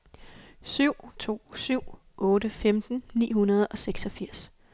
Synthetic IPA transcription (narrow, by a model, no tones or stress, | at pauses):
syʊ̰t͡sʰo̝̰ːsyʊ̰ | ʔɔ̽ːdəfemd̥n̩nḭːɦunɐð̞ˠɒ̽seɡ̥sɒ̽fiɐ̰s